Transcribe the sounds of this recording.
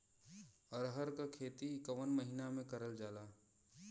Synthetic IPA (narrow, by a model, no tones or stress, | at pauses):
ɔɾɦəɾkakʰeːt̪iɪkəʋənməɦinamẽkɐɾəld͡ʒaːlaː